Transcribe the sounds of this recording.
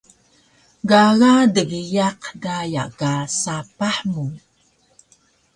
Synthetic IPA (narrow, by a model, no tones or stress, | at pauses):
ɡaɣadəɡijaqdaja̰kasapaħmu